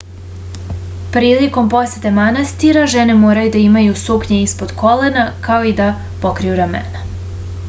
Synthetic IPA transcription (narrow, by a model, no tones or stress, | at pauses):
pɾiːliko̞mpo̞set̪emanast̪iɾaʒene̞mo̞ːɾajud̪aimajusupɲe̞ispo̞d̪̥kʰo̞le̞nakao̞id̪a | po̞kɾijuɾamḛna